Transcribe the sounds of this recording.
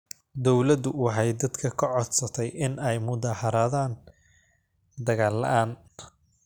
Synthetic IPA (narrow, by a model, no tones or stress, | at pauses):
d̪ɔwlɐd̪ʊwɑħɑjd̪ɐd̪kʰɐkʰɐʕɔd̪sɐt̪ʰɛjɪnɛjmʊðaːhɐɾaːðaːn | d̪ɐɣaːlːɐ̰ʔaːn